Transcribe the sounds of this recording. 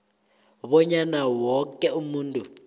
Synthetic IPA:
βɔɲanawɔkɛumuːntʼu

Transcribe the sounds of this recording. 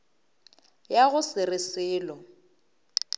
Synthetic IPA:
jaɣʊsɪrɪsɪːlɔ

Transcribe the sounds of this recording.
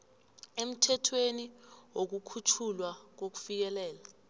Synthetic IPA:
em̩tʰɛtʰweniwok̬ukʰutʰulwak̬ok̬u̥fik̬ɛlɛːla

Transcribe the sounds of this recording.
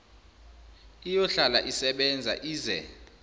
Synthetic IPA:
ijɔɬalaʔisɛɓɛnd͡zʱa̰ʔiːzɛ̰

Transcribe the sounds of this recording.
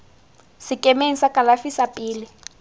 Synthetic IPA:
sɪkʼɛmeŋ̩sakʼalafisapʼiːlɪ

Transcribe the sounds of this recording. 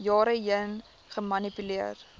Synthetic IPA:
jɑːɾəjən | χəmɐnipyliər

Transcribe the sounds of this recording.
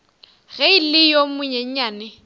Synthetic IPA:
ɣɛilɪjomʊɲɛɲ̩ɲaːnɪ

